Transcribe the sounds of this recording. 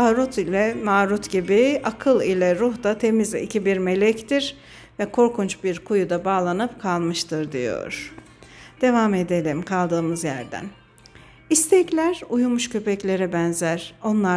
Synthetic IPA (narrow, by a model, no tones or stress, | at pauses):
aɾut̪ʰilʲɛmaːɾut̪ɟibiakʰɯlˠilʲɛɾuht̪at̪ʰe̞mizḭcʰibiɾme̞lʲɛct̪iɾ | vɛkʰo̞ɾkʰunt͡ʃbiɾkʰujud̪abaːlˠanɯpkʰalˠmɯʃt̪ʰɯɾd̪ḭjo̞̰ɾ̥ | d̪̥e̞vame̞d̪e̞lʲimkʰalˠd̪ɯːmɯzjæ̰ɾd̪æ̰n | ist̪ʰɛclʲæɾujumuʃcʰø̞pɛclʲe̞ɾɛbɛnzæɾ̥o̞nlˠa